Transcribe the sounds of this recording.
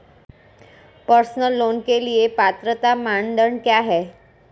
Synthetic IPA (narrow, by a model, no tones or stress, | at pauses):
pəɾsnəlːonkelijepat̪ɾət̪amaɳɖəɳkjaɦe